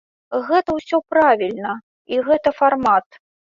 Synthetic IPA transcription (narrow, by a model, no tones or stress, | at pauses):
ɣɛt̪ɐwsʲɔpɾavʲilʲnɐ | iɣɛt̪ɐfarmat̪